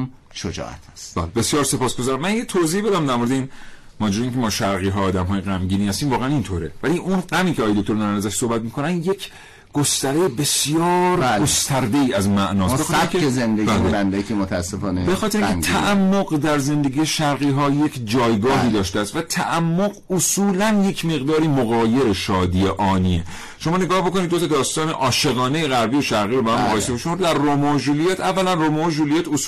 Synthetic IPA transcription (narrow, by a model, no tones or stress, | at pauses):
ʃod͡ʒɒ̰ːʔæ̰t̪ʰst̪bæ̰ːlbesjɒːɾse̞pʰɒːsɡo̞zɒːɾæmːænjet̪ʰoziːbe̞d̪æmd̪æɾmoɾed̪eiːn | mɒːd͡ʒuɾeiːŋcʰʲemɒːʃæɾɣiːɦɒːd̪æmɦɒːjeɣæmɟiːniːhæst̪iːmvɒːɣeænint̪ʰoːɾḛvæliʔunɢæmiːcʰeɒːjed̪okt̪o̞ɾmænæzæʃsohbæt̪miːkʰo̞nænje̞kʰ | ɡ̥ost̪æɾejebe̞sjɒːɾælɡost̪ʰæɾd̪eiːæzmæʔnɒːsbeɒt̪eæɾikeezend̪eɡbæilemænd̪ækʰimot̪ʰæːsːefɒːnebexɒːt̪ʰeɾiŋkʰːemt̪ʰæʔæmːoɣd̪æɾze̞nd̪e̞ɡʲije̞ʃæɾɣiːɦɒːje̞cʰd͡ʒɒːjɡɒːɦiːd̪ɒːʃt̪eæst̪væt̪ʰæ̰ʔæmːoɢosuːlænje̞cʰme̞ɣd̪ɒːɾiːmoɣɒːje̞ɾeʃɒːd̪ieʔɒːniːe | ʃomɒːneɡɒːhbokonid̪ːot̪ʰɒːd̪ɒːst̪ɒːnḛʔɒːʃe̞ɣɒːnejeɣæɾbijoʃæɾɣiːɾobehæmːoɣɒːjesebeʃomd̪æɾːomoʒulijæːt̪ʰævːælænromoʒulijæːt̪os